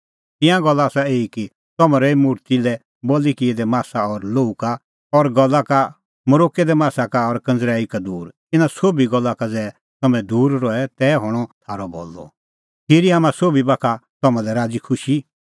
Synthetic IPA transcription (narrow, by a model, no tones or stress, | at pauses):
t̪ɪ̃jãɡɔlːaːsaeːiki | t̪ɔmãɾɛimʊɾt̪ilɛ | boːlikied̪ɛmaːsaɔɾloːuka | ɔɾɡɔlːaka | mɐɾoːkɛd̪ɛmaːsakaɔɾkɐ̃nd͡zɾaːikad̪uːɾt̪ɪnãsoːbiɡɔlːakad͡zɛː | t̪ɐmɛ̃d̪uːɾɾɔɛt̪ɛːɦɔɽ̃ɔt̪ʰaːɾɔbo̰ːlːɔ̰ | pʰɪɾiɦamãsoːbibakʰat̪ɔmãlɛɾaːd͡zikʰʊʃi